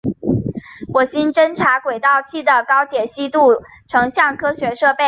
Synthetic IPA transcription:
wɔ˨˩ɕi˥nʈ͡ʂə˥nʈ͡ʂʰa˧˥kwe˨˩ɪt̪ɑ˥˧ʊt͡ɕʰi˥˩d̪ə˩kɑ˥ʊt͡ɕjɛ˨˩ɕi˥t̪u˥˩ | ʈ͡ʂʰɤ˧˥ŋɕjɑ˥˩ŋkʰɤ˥ɕɥɛ˧˥ʂɤ˥˧pe˥˩ɪ

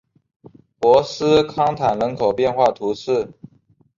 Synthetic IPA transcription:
pwɔ˧˥sɹ̩˥kʰɑ˥ŋt̪ʰa˨˩nɻə˧˥nkʰo˨˩ʊpjɛ˥˧nxwa˥˩t̪ʰu˧˥s̩˥˩

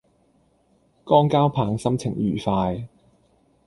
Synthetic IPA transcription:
kɔː˥ŋkaː˥wpʰaː˨˧ŋsɐ˥mt͡sʰɪ˨˩ŋjyː˨˩faː˧j

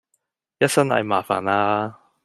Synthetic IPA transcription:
jɐ˦˥t̚sɐ˥nɐ̰˨˧jmaː˨fa̰ː˨˩naː˥

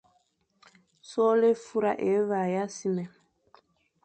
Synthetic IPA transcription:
sɔ˦le˦fu˦ɾa̰˨ʔe˨˦βa˨ja˦si˦mɛ˨

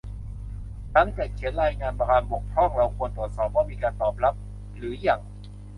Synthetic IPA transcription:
t̪a˥˩ŋt̪ɛː˨˩t͡ɕʰi˨˩˦nɾaː˧jŋaː˧npa˧kaː˧nbo˨˩k̚p̪ʰɔ˥˩ŋɾa˧wkʰu˧ənt̪u˨˩t̪̚sɔː˨˩p̚waː˥˩miː˧kaː˧nt̪ɔː˨˩p̚la˦˥p̚ | ɾɯː˩˦ja˨˩ŋ

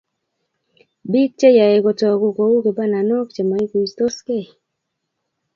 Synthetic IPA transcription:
bi˦k̚t͡ʃe˦ja˨e˨kɔ˨t͡ʃɔ˨ko˨ko˨u˦ke˨ba˦na˨no˦kt͡ʃe˨mɔ˨i˦ki˨st̪o˦ske˦˨

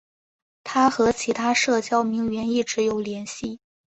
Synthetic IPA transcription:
t̪ʰa˥xɤ˧˥t͡ɕʰi˧˥t̪ʰa˥ʂɤ˥˩t͡ɕjɑ˥ʊmi˧˥ŋɥɛ˧˥ni˥˩ʈ͡ʂɻ̩˧˥jo˨˩ʊljɛ˧˥nɕi˥˩

